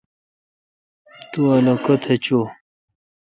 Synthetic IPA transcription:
t̪uɐlokot̪ʰet͡ɕo

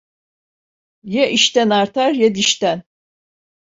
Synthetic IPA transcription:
jɛʔiʃt̪ænaɾt̪ʰaɾjɛd̪iʃt̪æn

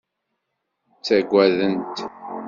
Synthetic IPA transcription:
t͡sːæɡʷæðənt̪

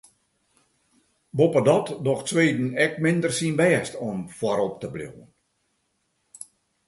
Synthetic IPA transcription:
bopədɔtdɔxtsʋeːdn̩ɛk̚mɪndərsinbɛːstomfwɔɾop̚təblo̰wən

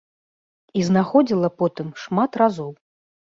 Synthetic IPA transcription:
iznaxɔd͡zʲilˠɐpɔt̪ɨmʂmat̪razɔw

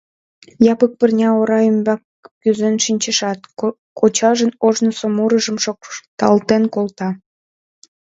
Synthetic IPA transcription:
jɑpək̚pərnʲɑoɾɑymbɑkː | yzenʃinʲt͡ɕəʃɑt̪ | kot͡ɕɑʒənoʒnosomuɾəʒəmʃokt̪ɑ̰lt̪enkolt̪ɑ

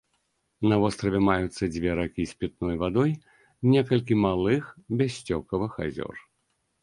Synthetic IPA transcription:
nɐvɔst̪ɾɐvʲɛmajut̪sːɐd͡zʲvʲɛɾakʲisʲpʲit̪̚nɔjvad̪ɔj | nʲɛkɐlʲkʲimalˠɨxbʲasʲt͡sʲɔkɐvɨxa̰zʲɔ̰r

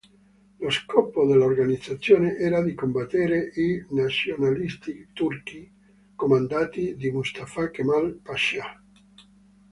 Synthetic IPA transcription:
loskɔːpod̪elːaorɡanid̪zat̪sːjoːneʔɛːɾad̪ikombat̪ːɛːɾeʔinasjonalist̪it̪urki | komand̪aːt̪id̪imust̪afakemalpaʃa

